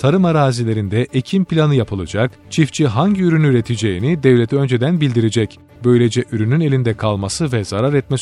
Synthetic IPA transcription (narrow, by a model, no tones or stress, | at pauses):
t̪ʰaɾɯmaɾaːzilʲe̞ɾind̪ɛʔecʰimpilʲanɯjapʰɯlˠa̰d͡ʒak | t͡ʃʰift͡ʃʰiɦaɲɟiyɾynyyɾe̞t̪ʰid͡ʒe̞jinid̪ɛvlʲet̪ʰiø̞nd͡ʒe̞d̪ænbilʲd̪iɾed͡ʒɛc | bø̞jlʲe̞d͡ʒɛʔyɾynyne̞lʲind̪ɛkʰalˠmasɯvɛzaɾaɾɛt̪̚mɛs